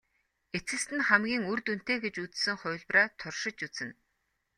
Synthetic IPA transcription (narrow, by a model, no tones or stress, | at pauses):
et͡sɘ̆ɮst̪ɘ̆nχæmɡʲiːŋurt̪un̥t̪eːɡet͡ɕut͡ssɘ̆ŋχʊːɮpraːt̪ʰʊrʃɪ̆t͡ɕut͡sɘ̆n